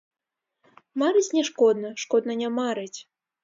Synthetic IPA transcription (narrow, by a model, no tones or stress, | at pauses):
maɾɨt͡sʲnʲɛʂkɔd̪nɐʂkɔd̪nɐnʲamaɾɨt͡sʲ